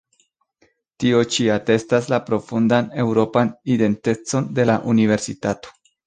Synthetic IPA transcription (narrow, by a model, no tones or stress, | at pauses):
tio̞t͡ʃiate̞staslapɾo̞fundane̞wɾo̞panide̞nte̞t͡so̞nde̞laʔunive̞ɾsitato̞̥